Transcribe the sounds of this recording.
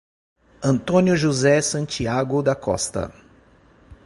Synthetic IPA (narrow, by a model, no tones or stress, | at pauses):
ɐ̃nt̪õnjʊʒuzɛsɐ̃nt͡ʃiaɡʊd̪ɐkɔ̰st̪ɐ̰